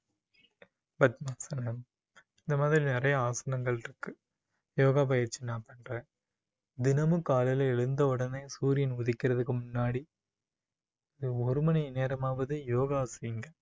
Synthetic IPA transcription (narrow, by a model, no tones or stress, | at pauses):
bɐt̪̚mɐksɐnɐm | ɪnd̪ɐmaːðɾinɪrɐjɐaːsɐnɐŋɡɐɭɪɾɯkːɯ | joːɣaːbɐjɐɾt͡ʃːinaːpɐɳre | d̪ɪnɐmɯkaːlɐlɐɛɻɯnd̪ɐʊɽɐnɐɪsuːɾɪjɪnʊðɪkːɪɾɐðɯkːɯmʊnːaːɽi | ɐðɯɔɾɯmɐnɐɪneːɾɐmaːʋɐðɯjoːɣaːsɐɪŋɡɐ